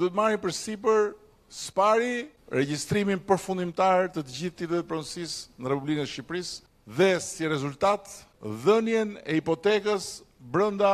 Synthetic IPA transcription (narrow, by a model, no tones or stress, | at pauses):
d̪ɔt̪əmaɾipəɾsip̬əɾ | spaɾi | ɾɛɟist̪ɾiminpəɾfund̪imt̪aɾt̪ət̪əɟiθt̪it̪ɛt̪̚pɾɔnsisnəɾɛpubliknəɛʃipɾis | ðɛsirɛzult̪at̪ðənjɛnɛipɔt̪ɛkəsbɾənd̪a